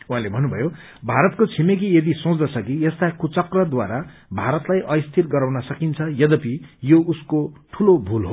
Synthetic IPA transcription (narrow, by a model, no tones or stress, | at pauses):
wɦãlebʱʌnːubʱʌjo | bʱaɾʌt̪kot͡sʰimek̬ijʌd̪isõt͡sd̪ʌt͡sʰʌkijest̪akut͡sʌkrʌd̪waɾa | bʱaɾʌt̪lajʔʌjst̪ʰirɡʌɾawnʌsʌkint͡sʰʌjʌd̪ʌpijoʔuskoʈʰulobʱulɦo